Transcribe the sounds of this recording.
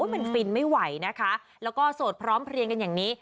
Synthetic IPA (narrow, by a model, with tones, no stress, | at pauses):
jma˧nfi˧nma˥˩jwa˨˦jna˦˥kʰa˦˥ | lɛː˦˥wkɔː˥˩soː˨˩t̪̚pʰɾɔː˦˥mpʰɾi˧əŋka˧njaː˨˩ŋniː˦˥